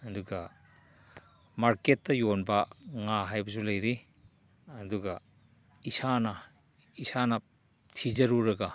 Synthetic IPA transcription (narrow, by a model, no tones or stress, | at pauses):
ɐduɡɐ | maɾketːɐjonbɐŋaɦajbɐsulɐjɾi | ɐduɡɐ | isanɐ | isanɐ | tʰizɐɾuɾɐɡɐ